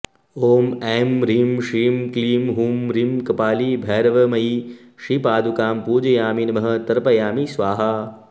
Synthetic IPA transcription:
oːmemɾiːmʃiːmkliːmɦuːmɾimkɐpaːlibʱɛːɾɐʋɐmɐi | ʃipaːd̪ʱukaːmpuːd͡ʒɐjaːminmɐɦɐt̪ɐɾpɐjaːmisʋaːɦa

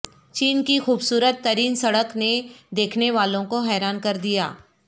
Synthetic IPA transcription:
t͡ʃiːnkixuːbsuːɾət̪ːɐɾiːnsɐɽəkned̪eːkʰneʋaːlõkoɦɛːɾaːnkɐɾd̪ija̰ː

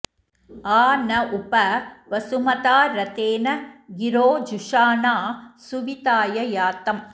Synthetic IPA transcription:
aːnɐʔupɐʋɐsumɐt̪aːɾɐt̪eːnɐɡiɾoːd͡ʒuʂaːnaːsuʋit̪aːjɐjaːt̪ɐm

